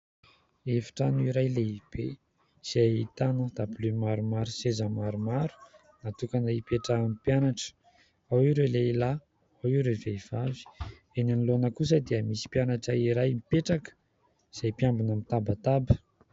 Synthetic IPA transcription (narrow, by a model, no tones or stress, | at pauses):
efḁʈ͡ʂanuiɾajleib̥e | z̥ait̪anəd̪ablymaɾumaɾusezəmaɾumaɾu̥ | nat̪ukanaipeʈ͡ʂamipjanaʈ͡ʂə̥ | awiɾeleila | awiɾeveiv̥avi̥ | enanilonəkus̬əd̪eəmisi̥pjanaʈ͡ʂəiɾajmipeʈ͡ʂakə̥ | z̥ajpjambunamit̪abat̪abə̥